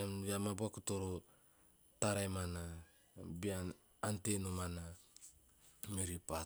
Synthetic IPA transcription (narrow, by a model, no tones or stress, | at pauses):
emiamabuakutoɾo | taɾajmana | biaː | ntenomana | miɾipa